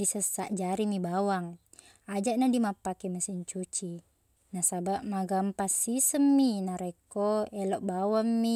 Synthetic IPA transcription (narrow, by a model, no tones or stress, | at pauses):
disəsaʔd͡ʒaɾimibawaŋ | ad͡ʒaʔ̚nadimapakɛməsiɲt͡ʃut͡ʃi | nasabaʔmaɡampasisəmːinaɾekoɛlɔʔbawamːi